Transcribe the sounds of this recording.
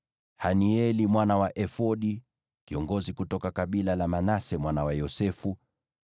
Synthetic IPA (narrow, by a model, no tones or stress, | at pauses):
haniɛlimwanawaʔɛfɔɗi | kiɔŋɡɔzikutɔkakaɓilalamanasɛmwanawajɔsɛfu